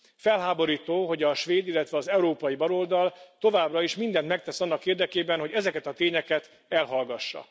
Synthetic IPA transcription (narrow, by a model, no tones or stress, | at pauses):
fɛlɦaːbo̞ɾiːt̪oːɦo̞ɟɒʃʋeːd̪ilːɛt̪ʋɛɒzɛuɾoːpɒjibɒlo̞ld̪ɒlt̪o̞vaːbrɒiʃmind̪ɛnt̪mɛk̚t̪ɛsɒnːɒkeːrd̪ɛkeːbɛnɦo̞ɟɛzɛkɛt̪ɒt̪eːɲɛkɛt̪ | ɛlɦɒlɡɒʃːɒ̰